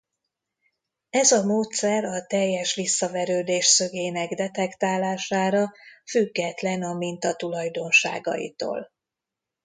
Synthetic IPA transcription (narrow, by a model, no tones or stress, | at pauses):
ɛzɒmoːt̪sɛɾɒt̪ɛjːɛʃʋisːɒvɛɾøːd̪eːʃsø̞ɡeːnɛɡd̪ɛt̪ɛkt̪aːlaːʃaːɾɒfyɡːɛt̪lɛnɒmint̪ɒt̪ulɒjd̪o̞nʃa̰ːɡɒ̰jḭt̪o̰ːl